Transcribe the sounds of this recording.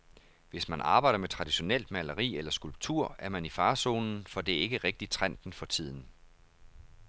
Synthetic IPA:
ʋe̝smænʔɑ̈ːb̥ɑ̈ɪ̰dɐmet͡sʰʁɑ̈d̥iɕo̝nel̰d̥mælɐʁḭːelɐsɡ̥ulb̥̚t͡sʰuɐ̰æɐmænifɑ̈ːso̝ːnn̩fɒ̽d̥e̝æɐe̝ɡ̥əʁɛɡ̥̚d̥it͡sʰʁan̰d̥n̩fɒ̽t͡sʰið̞̰ˠn̩

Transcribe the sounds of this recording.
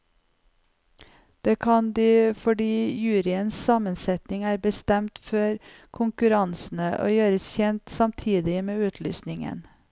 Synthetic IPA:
d̪̥eːkʰɑnd̪iːfɔɖiːjʉːɾɪənssɑmənsɛt̪nɪŋæːɾbəst̪ɛmt̪fɔɾkʰʊŋkʉɾɑnsn̩əʔo̰ːjøːɾəsçɛnt̪sɑmt̪ʰiːd̪ɪmeːʉːt̪ʰly̰ːsnɪŋə̰n

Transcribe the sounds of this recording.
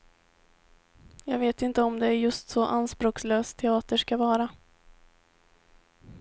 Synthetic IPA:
jɑːɡveːt̪ɪnt̪əɔmd̪ɛæɾjɵst̪sɔʔanspɾoːksløːst̪ʰːɛɑːt̪əʂkavɑːɾa

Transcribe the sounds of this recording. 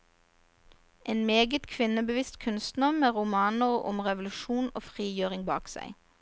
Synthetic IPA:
ʔeːnmeːɡət̪kʰʋɪnəbəʋɪst̪kʰʉnst̪n̩ɑmeːʁʊmɑːnəʁʊ̰mʁɛʋʊlʉʃuːno̰ːfʁiːjøːʁɪŋbɑ̰ːksæ̰ɪ

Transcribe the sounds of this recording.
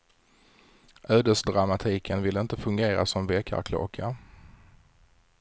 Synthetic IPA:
ʔøːd̪əsd̪ɾamat̪ʰiːkʰənvɪlːəɪnt̪əfɵŋɡeːɾa̰sɔmveːkʰa̰ɾkʰlo̰ːkʰa

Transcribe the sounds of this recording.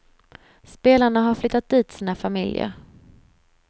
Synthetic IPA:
speːlaɳaɦaɾflʏt̪ːat̪̚d̪iːt̪siːnafamɪljə̰ɾ

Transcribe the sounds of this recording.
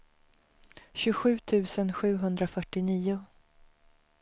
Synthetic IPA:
ɕɵɧʉ̟ːt̪ʰʉ̟ːsənɧʉ̟ːɦɵnd̪ɾafœʈːɪniːʊ

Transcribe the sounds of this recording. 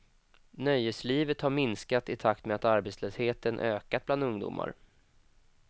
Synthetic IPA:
nœjəsliːvət̪haɾmɪnskat̪ɪt̪ʰak̚t̪meat̪aɾbɛt̪sløːsheːt̪ənʔø̰ːkat̪̚bland̪ɵŋd̪ṵːmʔa̰ɾ

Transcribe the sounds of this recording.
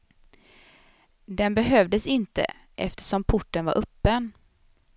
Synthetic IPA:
d̪ɛnbɛɦœvd̪əsɪnt̪ə̰ | ʔɛ̰ft̪ə̥ʂɔmpʰʊʈːənva̰ɾʔœpːən

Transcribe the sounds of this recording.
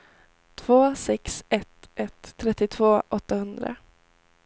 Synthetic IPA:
t̪ʰv̥oːsɛksɛt̪ʔɛt̪ʰːɾɛt̪ːɪt̪ʰv̥oːʔɔt̪ːahɵnd̪ɾa̰

